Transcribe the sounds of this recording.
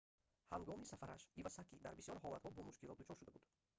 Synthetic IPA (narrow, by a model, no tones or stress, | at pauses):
haŋɡɔmisafaɾa̰ʃivasakid̪a̰ɾbisiɔɾɦɔlat̪hɔbɔmuʃkilɔt̪̚d̪ut͡ʃʰɔɾʃud̪abud̪